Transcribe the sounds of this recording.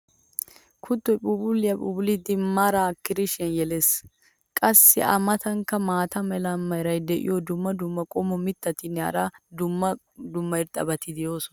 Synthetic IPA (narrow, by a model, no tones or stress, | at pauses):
kʰʊt̪ːɔjpʼʊbʊlːɪjɐpʼʊblid̪ɪmːaːɾakːɪɾɪʃɪɐnjɛleːs | kʼɐsːɪ̰ʔɐ̰mɐt̪ɐŋkːɐmaːt̪ɐmɛlɐmːɐjɾɐjd̪ɛʔɪ̰jod̪ʊmːɐd̪ʊmːɐkʼɔmɔmɪt̪ːɐt̪ɪnːɪa̰ɾad̪ʊɐ | d̪ʊmːɐɪɾt̪ʼɐ̰bɐt̪ɪd̪ɪjo̞ːsʊn